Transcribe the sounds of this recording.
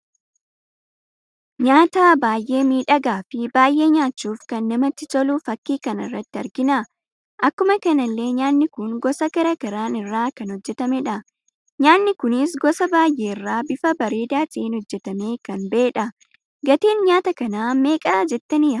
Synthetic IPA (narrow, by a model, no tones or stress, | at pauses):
ɲaːt̪aːbaːjʔe̞ːmiːᶑɐɡaːfɪbaːjʔe̞ːɲaːt͡ʃːuːfkɐnːɐmɐt̪ːɪt̪ɔluːfɐkːiːkɐnɪ̰rːɐt̪ːɪɐɾɡɪna | ʔɐkːʊmɐkɐnɐlːe̞ːɲaːnːɪkʊŋɡɔsɐkɐɾɐkɐɾaːnɪrːaːkɐnhɔd͡ʒːɛt̪ɐmɛᶑɐ | ɲaːnːɪkʊnɪs̬ɡɔsɐbaːjʔeːɪrːaːbɪfɐbɐɾeːd̪aːt̪ɪeːnhɔd͡ʒːɛt̪ɐme̞ːkɐnbe̞ːᶑɐ | ɡɐt̪eːnɲaːt̪ɐkɐnaːme̞ːkʼɐːd͡ʒɛt̪ːɐnɪɐ